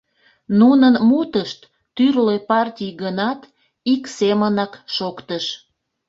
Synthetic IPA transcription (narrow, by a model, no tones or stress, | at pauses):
nunənmut̪əʃt̪ː | yrlepɑrtʲijɡənɑt̪ | iksemənɑkʃokt̪əʃ